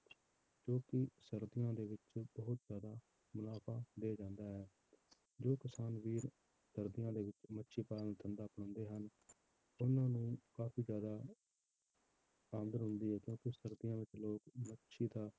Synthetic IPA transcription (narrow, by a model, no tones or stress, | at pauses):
d͡ʒoːkɪsəɾd̪ɪjãːd̪eːʋɪt͡ʃbəɦʊt̪zjaːd̪aː | mʊlaːpʰaːd̪eːd͡ʒãːnd̪aːɦɛː | d͡ʒoːkɪsaːnʋiːɾ | səɾd̪ɪjãːd̪eːʋɪt͡ʃmətːʃʰiːpaːlənt̪ʰənd̪aːpəɳ̃ə̃ːnd̪eːɦən | ʊnãːnũːkaːpʰiːzjaːd̪aː | ãːnd̪əɾɦʊnd̪iːɦɛːkjõːkɪsəɾd̪ɪjãːʋɪt͡ʃloːkmətːʃʰiːd̪aː